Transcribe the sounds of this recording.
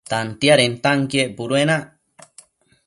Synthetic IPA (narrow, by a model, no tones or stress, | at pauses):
t̪ant̪jaɾent̪aŋkiepuɾuenaʔ